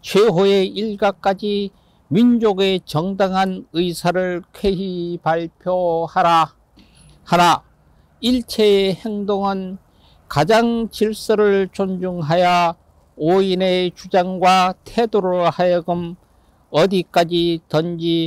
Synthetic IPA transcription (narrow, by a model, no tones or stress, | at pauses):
t͡ɕʰweɦoe̞iɭɡak͈ad͡ʑi | mind͡ʑoɡet͡ɕʌŋdaŋɦanɯisʰaɾɯɭkʰe̞ɦipaɭpʰjohaɾa | haɾa | iɭt͡ɕʰeːhe̞ŋdoŋɯn | kad͡ʑaŋt͡ɕiɭs͈ɯɾɯɭt͡ɕond͡ʑuŋɦaja | oinet͡ɕud͡ʑaŋɡwatʰe̞doɾɯɭhajʌɡɯm | ʌdik͈ad͡ʑitʌnd͡ʑi